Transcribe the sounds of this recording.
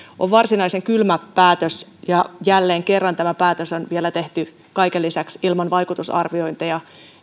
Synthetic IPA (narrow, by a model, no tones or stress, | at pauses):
ʔoʋʋɑrsinɑiseŋkylmææːt̪øsjɑjælːeːŋkerːɑnt̪æmæpæːt̪øsonʋielæt̪eht̪y | kɑikelːisæksilmɑnʋɑjkut̪usɑ̰rʋio̞int̪ɑjɑ